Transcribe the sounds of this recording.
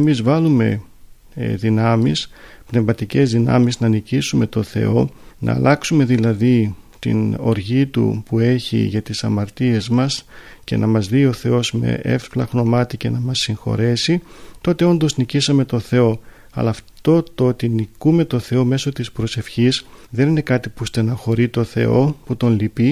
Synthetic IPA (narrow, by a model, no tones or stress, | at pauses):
mizvɐlume̞̰ | ðinɐmispne̞vmɐt̪ice̞zðinɐ̰miznɐnicisume̞t̪o̞θe̞̰o̞nʔɐ̰ːlʔɐksume̞ðilɐði | t̪ḭno̞̰ɾʝit̪ṵpue̞çḭʝɐt̪isɐmɐɾt̪ie̞zmɐsce̞̰nʔɐmɐzðio̞θe̞o̞zme̞̰ʔe̞̰fplɐɣno̞mɐt̪ice̞nɐmɐsːiŋxo̞̰ɾe̞sit̪o̞t̪e̞o̞nd̪oznicisɐme̞t̪o̞θe̞o̞ | ɐ̰lɐːft̪o̞t̪ot̪inikume̞t̪o̞θe̞o̞me̞so̞t̪ispɾo̞se̞fçisðe̞nine̞kɐt̪ipust̪enɐxo̞ɾit̪o̞θe̞̰o̞put̪o̞nlipi